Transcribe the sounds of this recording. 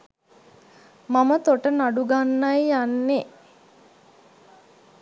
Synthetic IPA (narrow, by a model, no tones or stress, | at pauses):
mamət̪oʈənaɖuɡanːajjanːe